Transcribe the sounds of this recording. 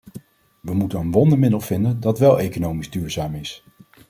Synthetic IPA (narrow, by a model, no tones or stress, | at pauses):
ʋəmutənənʋɔndəmɪdəlˠv̥ɪndəndɑtʋɛlˠejkonowmizdyːɹzaːmɪs